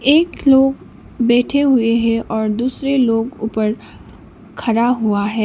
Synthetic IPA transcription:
eːkloːɡ | bɛːʈʰeɦʊeɦɛ̃ʔɔːɾd̪uːsɾeloːɡuːpəɾ | kʰɐɾaɦuaɦɛ̃ː

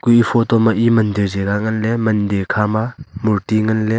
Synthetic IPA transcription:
kujipʰɔt̪ɔmaʔimɐnd̪iɾzeɡaŋɐnlemɐndekʰamamuɾtiŋɐnle

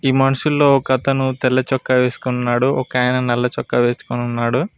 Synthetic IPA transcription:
iːmɐnuʂulːo̞ːɔkɐt̪ɐnut̪ɛlːɐt͡ʃɔkːɐʋe̞ːsu̥kununːaːɽuʔɔkaːjɐnɐnɛlːɐt͡ʃɔkːɐʋe̞ːsu̥kununːaːɽu

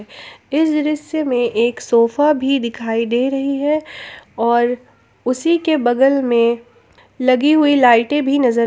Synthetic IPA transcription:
ɪsɾɪsjemẽʔeːksoːfabʱid̪ɪkʰaːid̪eɾɐɦiɦɛɔːɾ | ʊsikebɐɡəlmẽ | lɐɡiɦʊilaːɪʈẽbʱinɐzəɾ

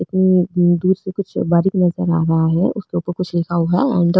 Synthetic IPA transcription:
ɪt̪nid̪uːɾsekʊt͡ʃʰbaːɾiknɐzəɾa̰ːɾɐɦaɦɛʔʊskeuːpəɾkʊt͡ʃʰlɪkʰaːuɦɛɐ̃ːɳɖ̪ə

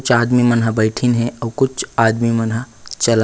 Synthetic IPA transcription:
t͡ʃʰad̪mimənɦəbəɪʈʰinɦẽʔəukut͡ʃʰad̪mimənɦə | t͡ʃəl

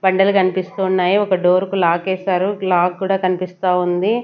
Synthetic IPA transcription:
bɐɳɖɐlukɐnipist̪uːnːaːjiɔkɐɖo̞ːɾkulaːkɛːsaːɾulaːɡkuːɽaːkɐnipist̪aːund̪i

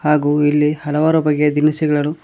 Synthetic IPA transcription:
haːɡuːilːihɐlɐʋaːɾubɐɡːed̪inɐsiɡɐɭɐlu

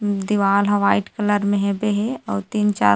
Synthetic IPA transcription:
d̪iʋaːlɦə̃ʋaːɪʈkələɾmẽɦɛbeɦeɔːɾt̪iːnt͡ʃa̰ː

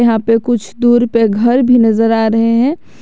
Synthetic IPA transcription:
ɐɦãpekʊt͡ʃʰd̪uːɾpeɡʱɐɾbʱinɐzəɾaːɾɐɦeɦɛ̃

